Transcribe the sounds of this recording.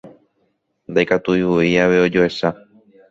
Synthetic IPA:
nd̪ajkat̪uiwuiaʋe̞o̞d͡ʒoe̞ʃa

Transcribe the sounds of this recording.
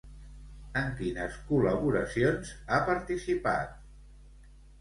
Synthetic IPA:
əŋkinəskuləβuɾəsionzapəɾt̪isipa̰t̪̚

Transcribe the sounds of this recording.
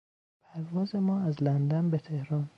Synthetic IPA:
pʰæɾvɒːze̞mɒːæzlænd̪ænbet̪ʰe̞hɾɒːn

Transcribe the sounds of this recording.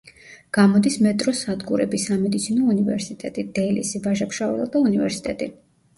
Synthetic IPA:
ɡ̥amɔd̪ismɛt̪ʼɾɔsad̪ɡuɾɛ̰bisamɛd̪it̪sʰinɔunivɛɾsit̪ʼɛt̪ʼid̪̥ɛlḭsivaʒapʃavɛ̰lˠad̪aunivɛɾsi̥t̪ʼɛt̪ʼi

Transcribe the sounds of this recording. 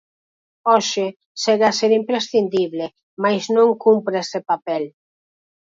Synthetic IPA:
ɔʃɪ | seɣaseɾimpɾesθind̪iβle | majznõŋkumpɾesepapɛl

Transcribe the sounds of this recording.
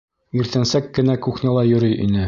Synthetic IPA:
iɾt̪ænsækːɘ̆nækuχnʲælˠɑjɵ̆ɾɵjʔḭnɘ

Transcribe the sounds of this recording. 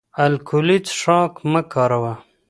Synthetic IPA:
ɐlkʰulit͡sʂɑːkməkɑːɾawa

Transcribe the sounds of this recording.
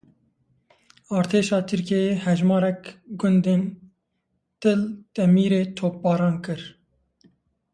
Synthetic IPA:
ɑːɾt̪ʰeːʃɑːt̪ʰɨɾkeehɛʒmɑːɾɛkɡʊnd̪eːn | t̪ɨld̪̥ɛmiːɾeːt̪ʰoːp̚bɑːɾɑːnkɨɾ

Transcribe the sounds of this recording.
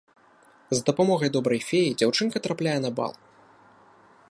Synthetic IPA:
zd̪ɐpamɔɣɐjd̪ɔbɾɐjfʲejid͡zʲawt͡ʂɨnkɐt̪ɾaplʲajɛnɐba̰lˠ

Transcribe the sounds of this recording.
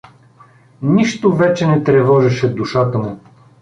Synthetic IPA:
niʃt̪ovɛt͡ʃɛnɛt̪ɾɛvɔʒɛʃɛd̪uʃat̪əmu

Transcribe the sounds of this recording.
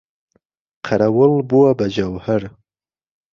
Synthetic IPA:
qʰaɾawəlbuabad͡ʒawhaɾ

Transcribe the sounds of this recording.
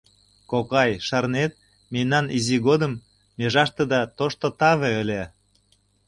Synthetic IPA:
kokɑjʃɑrnet̪̚ | menɑniziɣod̪əmː | eʒɑʃt̪ed̪ɑt̪oʃt̪ot̪ɑβeølʲe

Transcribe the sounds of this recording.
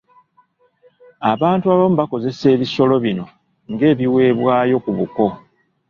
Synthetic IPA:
aβaːntuaβam̩uβako̞ze̞se̞ːβiso̞lo̞βino̞ | ŋɡe̞ːβiwe̞ːβwaːjo̞kuβuko̞

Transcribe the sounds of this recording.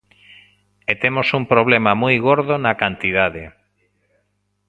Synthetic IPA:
et̪emosumpɾoβ̞lemamujɣoɾðonakant̪ið̞aðe

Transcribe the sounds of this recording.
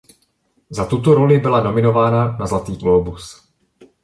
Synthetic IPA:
zat̪ut̪oɾo̞lɪbɪlano̞mɪno̞vaːnanazlat̪iːkoobus

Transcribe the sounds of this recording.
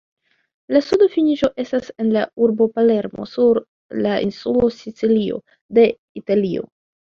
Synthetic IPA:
lasudofiniʒo̞ʔe̞stase̞nlauɾbo̞pale̞ɾmo̞̰suɾ | laʔinsulo̞sit͡silio̞̰ | de̞ | italio̞̰

